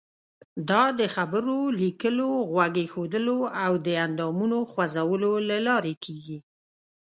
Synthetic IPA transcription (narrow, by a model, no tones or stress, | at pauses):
d̪ɑd̪əxabəɾolikəloɣwaɡexod̪əloawd̪əand̪ɑmunoxwazawəlolalɑɾekʰeɡi